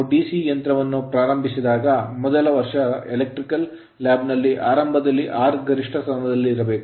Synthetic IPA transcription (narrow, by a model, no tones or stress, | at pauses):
ɖiːsijɐnt̪ɾɐʋɐnːupɾaːɾɐmbʱisid̪aːɡɐmɔd̪ɐlɐʋɐɾʂɐelek̚ʈɾikɐlː | aːbnɐlːiʔaːɾɐmbʱɐd̪ɐlːiʔaːɾɡɐɾiʂʈʰɐst̪ɐnɐd̪ɐlːiːɾɐbe̞ːku